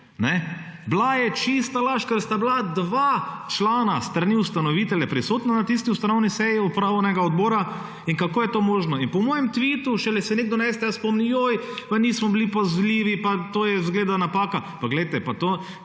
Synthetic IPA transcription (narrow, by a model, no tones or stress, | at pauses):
nɛblajɛt͡ʃist̪alaʃkəɾst̪ablad̪ʋaːt͡ʃlaːnast̪ɾaniust̪anɔʋit̪ɛljɛpɾisoːt̪nanat̪is̬t̪iust̪anɔwnisɛjiɔpɾanɛɡaɔd̪boːɾa | iŋkakoːjɛt̪omoːʒnɔinpɔmoːjɛmt̪ʋit̪uʃɛlɛsɛneɡ̚d̪ɔnɛst̪ɛjaspɔmniojpaniːsmɔblipazliʋipat̪oːjɛzɡleːd̪anapaːka | paɡlɛjt̪ɛpat̪oː